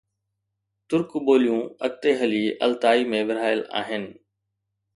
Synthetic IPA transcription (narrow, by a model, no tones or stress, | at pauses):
t̪ʊɾkboːlijũːɐk̚t̪eːɦɐliːɐ̰lt̪aːiːmẽʋɪɾ̤aːjəla̰ːɦɪnɪ̆